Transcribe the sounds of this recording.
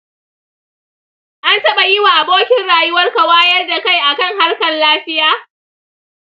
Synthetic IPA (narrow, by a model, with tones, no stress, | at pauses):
ʔa˦ntɐ˦ɓa˨jɪ˦wa˨ʔa˨boː˦kʲɪ˦nɽaː˨jʊ˦wɐ˦rka˨waː˦jɐ˦rda˨ka˦˨jʔa˨kɐ˦˨ŋɦa˦rkɐ˨nlaː˦ɸɪ˦jaː˦